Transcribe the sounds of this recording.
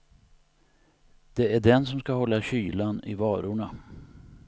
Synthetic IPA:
d̪̥ɛæɖɛnsɔmskaɦɔlːaɕyːlanɪ̰vɑːɾʊɳa

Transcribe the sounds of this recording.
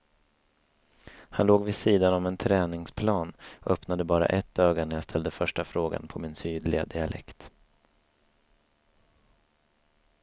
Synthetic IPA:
hanloːɡvɪsiːd̪anɔmɛnt̪ʰɾɛːnɪŋspʰlɑːnœpnad̪əbɑːɾa̰ʔɛt̪ʰːøːɡanæɾjast̪ʰɛld̪əfœʂʈafɾoːɡa̰npʰɔmɪnsyːd̪lɪa̰d̪ɪalʔɛ̰kt̪

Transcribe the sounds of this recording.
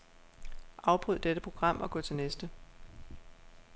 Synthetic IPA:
ʔɑ̈ʊb̥ʁyð̰ˠd̥eɾ̥əpʰʁo̝ɡ̥ʁɑ̈m̰ɒ̽ɡ̥ɔ̽ːt͡sʰe̝lnesd̥ə

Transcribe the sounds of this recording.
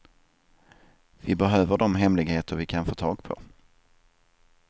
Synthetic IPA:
vɪbɛɦøːvəɖɔmɦɛmlɪɡheːt̪əɾvɪkʰanfoːt̪ʰɑːɡ̚pʰɔ̰

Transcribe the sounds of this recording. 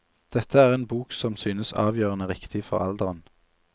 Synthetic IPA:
d̪̥ɛt̪ʰəæːʁeːnbuːksɔmsyːnəsɑ̰ːʋjøːʁənəʁɪkt̪ʰɪfɔ̰ʁɑ̰ld̪əʁən

